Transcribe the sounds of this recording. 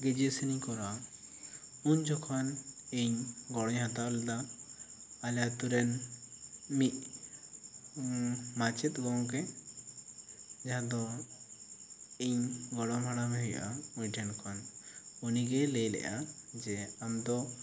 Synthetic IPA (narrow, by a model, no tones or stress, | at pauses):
ɡɛd͡ʒɛsinikɔɾa | uɲd͡ʒɔkʰɔniɲɡɔɽɔɲhat̪aʔlɛd̪a | aljat̪uɾɛn | mic̚ | mat͡ʃɛt̪̚ɡɔŋk̬ɛ | d͡ʒaɦãd̪ɔ | iɲɡɔɽɔmɦaɽamɛɦujʔauɲʈʰɛnkʰɔnuniɡɛlɛjlɛ̰ʔad͡ʒɛamd̪ɔ